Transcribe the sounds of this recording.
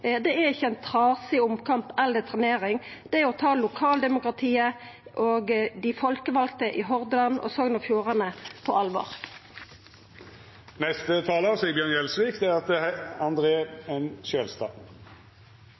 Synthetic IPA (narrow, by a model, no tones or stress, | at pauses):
d̪ɛæɪçːəɛɪnt̪ʰʁɑːsɪʊmkʰɑmpɛld̪ət̪ʰʁɛneːʁɪŋd̪̥ɛɔt̪ʰɑːlʊkʰɑːld̪ɛmʊkʁɑt̪ʰiːə | ʔoɡd̪ɪfɔlkəʋɑlk̚t̪əʔɪɦɔʁd̪lɑnɔ̰soːɡnɔfjuːʁɑnəpʰɔɑlʋɑ̰ːʁ | nɛst̪ət̪ʰɑːləsiːəbjøːnɛlsʋiːkd̪ɛæɾɑt̪̚d̪ɛɑnd̪ʁeːɛnʃøːlst̪ɑ̰ː